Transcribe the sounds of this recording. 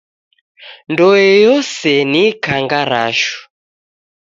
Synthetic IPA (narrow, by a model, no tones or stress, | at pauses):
ndɔjɛjɔsɛnikaŋɡaɾaʃu̥